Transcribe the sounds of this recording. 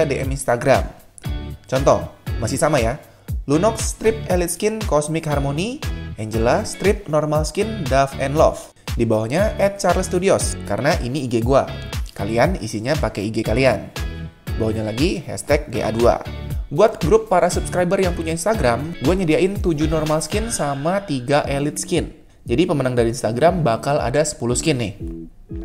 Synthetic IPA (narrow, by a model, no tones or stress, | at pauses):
adeʔɛminst̪aɡɾa̰m | t͡ʃɔnt̪ɔmasɪhsamaja | lunɔk̚st̪ɾɪp̚ɛlit̪̚skɪnkɔsmɪkɦarmoniʔɛɲd͡ʒəlast̪ɾɪp̚nɔrmalskɪndafɛnlɔ̰f | dibawahɲaʔɛt̪̚t͡ʃarlst̪udioskaɾənaʔiniːɡeɡuakalianḭsiɲapakeiɡekalian | bawaɲalaɡihɛ̰st̪ɛk̚ɡeʔa̰dua̰buat̪̚ɡɾʊpːaɾasupskɾajbərjaŋpuɲainst̪aɡɾamɡuaɲədiaʔɪnt̪ud͡ʒunɔrmalskɪnsamat̪iɡaʔelɪt̪̚skɪn | d͡ʒadipəmənaŋdaɾiinst̪aɡɾambakala̰dasə̥puluskɪnːɪh